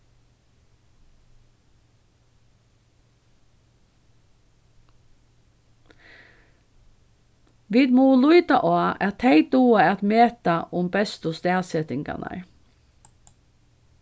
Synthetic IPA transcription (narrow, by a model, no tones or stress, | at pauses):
ʋiːd̪muːlʊʏd̪ɑʔoːɑʔɑt̪ʰeɪd̪uːəɑt̪meːt̪ɑʔʊmbɛst̪ʊst̪eːsɛt̪ɪŋɡɑ̰nʔɑ̰ɹ